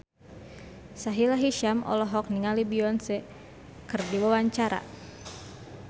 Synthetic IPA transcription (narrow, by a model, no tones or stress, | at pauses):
saɦilaɦiʃamʔɔ̰lɔɦɔk̚niŋalibiɔnsɛ | kɨrdiwawaɲt͡ʃaɾa̰